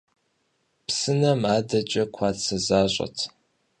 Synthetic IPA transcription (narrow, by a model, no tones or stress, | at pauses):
psɨnɐmaːdɐt͡ʃʼɐkʷʰɑːtsɐzaːɕʷʼɐ̰tʰ